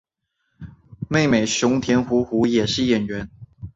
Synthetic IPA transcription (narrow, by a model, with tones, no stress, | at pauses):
me˥˩ɪme˨˩ɪɕʊ˧˥ŋt̪ʰjɛ˧˥nxu˧˥xu˧˥jɛ˨˩ʂɻ̩˥˩jɛ˨˩nɥɛ˧˥˦n